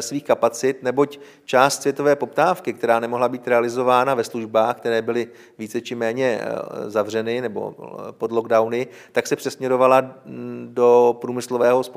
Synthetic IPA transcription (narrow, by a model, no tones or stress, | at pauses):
sviːxkapat͡sɪt̪nɛbo̞c | t͡ʃaːst̪svjɛt̪o̞vɛːpo̞p̚t̪aːfkɪkt̪ɛɾaːnɛmoɦlabiːt̪ɾɛalɪzo̞vaːnavɛsluʒbaːxk̚t̪ɛɾɛːbɪlɪ | viːt͡sɛt͡ʃɪmɛːɲɛzavr̝ɛnɪnɛbo̰podlo̞ɡdawnɪ | t̪aksɛpr̥ɛsmɲɛɾo̞valadopɾuːmɪslo̞vɛːɦo̞sp